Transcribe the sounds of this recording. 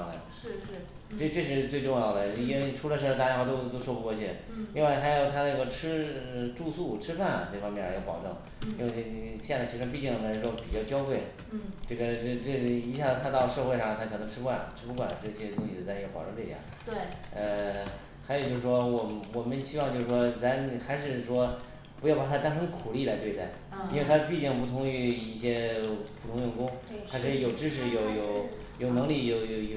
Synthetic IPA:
ʊd̪ə̰˩ | ɻ̩˥˩˥ | ʈ͡ʂɤ˥˧ʈ͡ʂɤ˥˧ʂ̬ɻ̩˥˧t͡swe˥˧ɪʈ͡ʂʊ˥˧ŋjɑ˥˩ʊd̪ə˩˧i˥e˥˧ʈ͡ʂʰu˧˥lə˧ʂ̬ɤ˥˧a˥˧jxt̪o˥ʊt̪o˥ʂwɔ˥˧pu˧˥kwɔ˥˧t͡ɕʰɛ˥˩li˥˧ŋwa˥˩ɪxa˧˥jo˨˩ʊt̪ʰa˥nə˥˧˩ɡə˥˩ʈ͡ʂʰɻ̩˥ə˧ʈ͡ʂu˥˧su˥˩ʈ͡ʂʰɻ̩˥fa˥˩nʈ͡ʂɤ˥˩fɑ˥ŋmjɛ˥˩n˧˩jpɑ˨˩ʊʈ͡ʂɤ˥˩ŋ | i˥nwe˥˧ɪɕjɛ˥˧nd͡za˥˩ɪɕi˧˥wpi˥˧t͡ɕi˥ŋə˧˩˧ʂɻ̩˥˩wɔ˥pi˨˩t͡ɕjɑ˥˩ʊt͡ɕjɑ˥ʊkwe˥˩ɪ | ʈ͡ʂɤ˥˩ɡə˩ʈ͡ʂɤ˥˧ʈ͡ʂɤ˥˩i˧˥ɕja˥˩˧k̪ʰa˥t̪ɑ˥˧ʊʂɤ˥˧xwe˥˧ɪʂɑ˥˩ŋt̪ʰa˥kʰɤ˨˩nɤ˧˥ŋʈ͡ʂ̩ʰ˥kwa˥˩nʈ͡ʂʰɻ̩˥pu˧˥kwa̰˥˩nʈ͡ʂɤ˥˩ɕʰi˧˥ʂ̩˥˧t̪ʊ˥i˧˩˥t͡sa˥˧ɪə˥˩ɡə˩pɑ̰˨˩ʊɻə˥li˥˩ja̰˥˦ | we˥˩ə˧ | xa˧˥jo˨˩t͡ɕjo˥˧ʂɻ̩˩ʂwɔ˥wɔ˨˩wɔ˨˩mə˦nɕi˥wɑ˥˧ŋt͡ɕo˥˧ʂɻ̩˧˩ʂwɔ˥t͡sa˧˥nxa˧˥ɪʂ̬ɻ̩˥˧˩ʂwɔ˥ | pu˧˥jʊpa˨˩t̪ʰa˥t̪a˥nʂɤ˧˥ŋkʰu˨˩li˥˩la˧˥ɪt̪we˥˧ɪt͡sa˥˩ɪ | i˥nwe˥˩ɪt̪ʰa˥pi˥˧t͡ɕi˥˩ŋp̬u˥˩t̪ʰʊ˧˥ŋy˥˧˩i˥˩ɕjɛ˥pʰu˨˩t̪ʰʊ˥ŋjʊ˥˩ŋkʊ˥ŋxʰa˥ʂ̬ɻ̩˥˩jo˨˩ʊʈ͡ʂɻ̩˥ʂɻ̩˧˩jo˨˩ʊjo˨˩ʊ | jo˨˩ʊnɤ˧˥ŋli˥˩jo˨˩ʊjo˨˩jo˨

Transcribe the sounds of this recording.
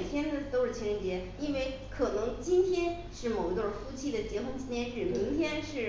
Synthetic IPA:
t̪ʰjɛ˥nd̪ə˨t̪o˥ʊʂɻ̩˥˩t͡ɕʰɛ˧˥ʂɻɛ˥˩nt͡ɕjɛ˧˥ | i˥nwe˥˩ɪ | kʰɤ˨˩nɤ˧˥ŋt͡ɕi˥nt̪ʰjɛ˥n | ʂɻ̩˥˩mo˨˩ʊi˧˥t̪wə˥˧˩fu˥t͡ɕʰi˥˩d̪ə˩t͡ɕjɛ˧˥xɤ˧˥ŋt͡ɕʰi˥nt̪ʰjɛ˥nʂɻ̩˥˩mi˧˥ŋt̪ʰjɛ˥nʂɻ̩˥˩

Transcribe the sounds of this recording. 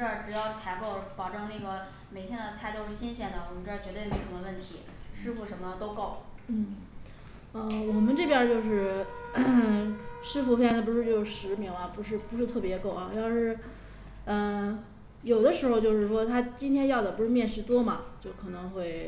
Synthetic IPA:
ɻ̩˥ə˧˩ʈ͡ʂɻ̩˨˩jɑ˥˩ʊt͡sʰa˧˥ɪko˥˩ʊ˥pɑ˨˩ʊʈ͡ʂɤ˥˧ŋna˥˩ɡə˩ | me˨˩ɪt̪ʰjɛ˥nd̪ə˨t͡sʰa˥˧ɪt͡ɕjo˥˧ʊʂɻ̩˥˩ɕi˥nɕjɛ˥˩nd̪ə˩wɔ˨˩mə˦nʈ͡ʂɻ̩˥ɑ˥˩t͡ɕɥt̪e˥˩ɪme˥˩ɪtʰŋd̪ə˧wə˥˩nt̪ʰi˧˥ | ʂɻ̩˥fu˧˩ʂə˧˥nmə˧t̪o˥ʊko˥˩ʊn̩˥˩ | ə˧wɔ˨˩mə˦nʈ͡ʂɤ˥˩pjɛ˥t͡ɕjo˥˧ʊʂ̬ɻ̩˥˩ | ʂɻ̩˥fu˧˥˩fd̪ə˩p̬u˧˥ʂɻ̩˥˧t͡ɕjo˥˧ʊ˧ʂɻ̩˧˥mi˧˥ŋɐ˧pu˧˥ʂɻ̩˥˩pu˧˥ʂɻ̩˥˧t̪ʰɤ˥˩pjɛ˧˥ko˥˩ʊɐ˧˩a˥˧ʂɻ̩˥˩ | ə˧ | jo˨˩ʊd̪ə˦ʂɻ̩˧˥xo˧ʊt͡ɕjo˥˧ʊʂɻ̩˥˩ʂwɔ˥t̪ʰa˥t͡ɕi˥nt̪ʰjɛ˥njɑ˥˩ʊd̪ə˩pu˧˥ʂɻ̩˥˧mjɛ˥˧nʂɻ̩˧˥˩t̪wɔ˥mɐ̰˨t͡ɕjo˥˩ʊkʰɤ˨˩nɤ˧˥ŋxwe˥˩ɪ

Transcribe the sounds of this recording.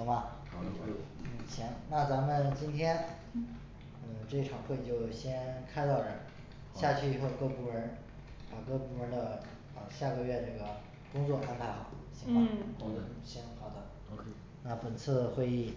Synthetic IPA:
mɐ˧ | n̩˥˩t͡ɕʰɛ˧˥ŋna˥˩t͡sa˧˥mə˧˨nt͡ɕi˥nt̪ʰjɛ˥n | ə˥˩ʈ͡ʂɤ˥˧i˥˩ʈ͡ʂʰɑ˨˩ŋxwe˥˧ɪt͡ɕjo˥˩ʊɕjɛ˥nkʰa˥ɪt̪ɑ˥˩ʊʈ͡ʂə˨˧˥ | ɕja˥˧t͡ɕʰy˥˩i˨˩xo˥˧ʊkɤ˥˩pu˧˥˩ɻə˧˥n | pa˨˩kɤ˥pu˧˥ɻə˧˥d̪ə˧˨˧ | ɕja˥˩ɡə˧ɥɛ˥˧na˥˩ɡə˩ | kʊ˥ŋt͡swɔ˥˩ʔa˥npʰa˧˥ɪxɑ˨˩˦ʊɕʰi˧˥ŋa˥˧˩ | ɕi˧˥nxɑ˨˩ʊd̪ə˦ | na˥˩pə˨˩nt͡sʰɹ̩˥˧xwe˥˧ɪi˥˩

